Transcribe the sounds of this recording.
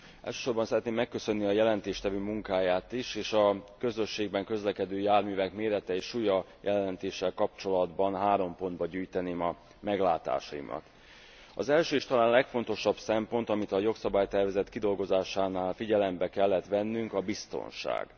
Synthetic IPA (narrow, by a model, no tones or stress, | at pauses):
ɛ̰lʃø̥ːʃo̞rbɒnsɛɾɛt̪neːmːɛkːø̞sø̞nːiɒjɛlɛnt̪eːʃt̪ɛvøːmuŋkaːjaːt̪iʃeːʃɒkø̞zø̞ʃːeːɡ̚bɛŋkø̞zlɛkɛd̪øːjaːrmyːvɛkmeːɾɛt̪ɛeːʃujɒ | jʔɛlɛnt̪eːʃːɛlkɒp̚t͡ʃo̞lɒd̪bɒnɦaːɾo̞mpo̞nd̪̚bɒɟyːjt̪ɛneːmɒ | mɛɡlaːt̪a̰ːʃɒ̰ḭmʔɒ̰t̪ | ɒ̰zɛlʃøːiːʃt̪ɒlaːnlɛkfo̞n̪t̪o̞ʃɒbsɛmpo̞nt̪ɒmit̪ɒjo̞ksɒbaːjt̪ɛrvɛzɛt̪kid̪o̞lɡo̞zaːʃaːnaːlfiɟɛlɛmbɛkɛlːɛt̪ʋɛnːyŋkɒbist̪o̞̰nʃa̰ːɡ̥